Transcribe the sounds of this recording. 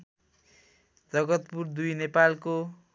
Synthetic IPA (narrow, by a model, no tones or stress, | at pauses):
d͡zʌɡʌt̪purd̪ujnepalko